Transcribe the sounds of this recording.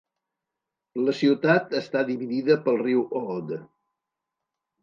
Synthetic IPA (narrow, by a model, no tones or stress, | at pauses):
ləsiwt̪at̪əst̪aðiβiðiðəpəlˠriwʔɔd̪